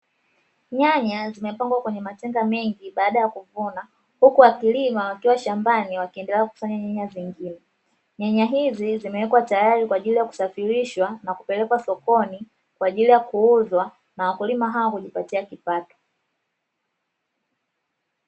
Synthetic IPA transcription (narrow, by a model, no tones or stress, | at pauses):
ɲaɲazimɛpaŋɡwakwɛɲɛmatɛŋɡamɛŋɡiɓaːɗajakuvuna | hukuwakilimawakiwaʃambaniwakiɛndɛlɛaku̥faɲaɲaɲaziŋɡinɛ | ɲaɲaɦizizimɛwɛkwatajaɾikwaːʄilijaku̥safiɾiʃwanakupɛlɛkwasɔkɔni | kwaːʄilijakuuzwa | nawakulimaɦawakuʄipatiakipatɔ̥